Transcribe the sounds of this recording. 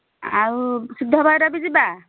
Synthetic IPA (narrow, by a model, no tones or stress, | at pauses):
awsud̪ʱːɔbʱajɾabid͡ʒiba